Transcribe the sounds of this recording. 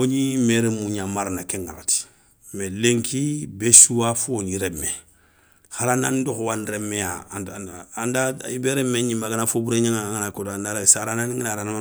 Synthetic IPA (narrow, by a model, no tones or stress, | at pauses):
oɲimeɾemũɲamaɾanakɛŋɡaɾati̥ | mɛleŋkʰibesuwafoɲiɾɛmɛ | xaɾanandoxowanɾemɛa | andaibeɾemẽɲĩmaɡanafobuɾeɲaŋaaŋanakotoandaɾasaɾanãniŋɡinaɾanama